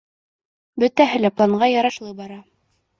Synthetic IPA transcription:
bɵ̆t̪æɦɘlæplˠɑɴɢɑjɑɾɑʃlˠɤbɑɾɑ

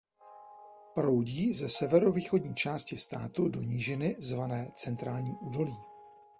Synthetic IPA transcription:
pɾo̞wɟiːzɛsɛvɛɾo̞viːxo̞dɲiːt͡ʃaːscɪst̪a̰ːt̪udo̞ɲiʒɪnɪzvanɛːt͡sɛnt̪ɾaːlɲiːʔuːdo̞liː

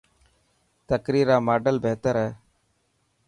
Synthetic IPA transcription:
t̪əkɾiːɾaːmaːɖəlbeːt̪əɾɦɛː

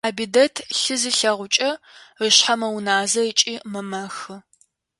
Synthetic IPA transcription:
aːbidɐtʰɬɨzɨɬɐʁʷʊt͡ʃʼɐrɨɕħamɐwnaːzɐət͡ʃʼiːmɨmɐxɨ

